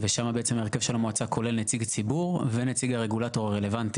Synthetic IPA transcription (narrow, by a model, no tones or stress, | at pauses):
veʃamabeet͡se̞maeʁkevʃelamoat͡sakʰo̞le̞lnet͡siɡt͡sibuʁvenet͡siɡaʁe̞ɡulato̞ʁaʁele̞vanti̥